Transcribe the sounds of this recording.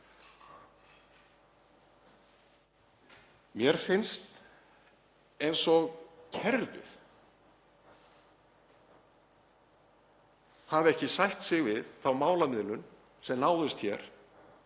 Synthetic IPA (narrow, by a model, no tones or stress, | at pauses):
mjɛɾ̥fɪnst̪ | ejnsɔɣcʰɛɾt̪ʏ̰θ | havɛhcɪsajht̪sɪɣvɪðθawmaːwlamɪðlʏn | sɛmnaːwðɪst̪çɛɾ̥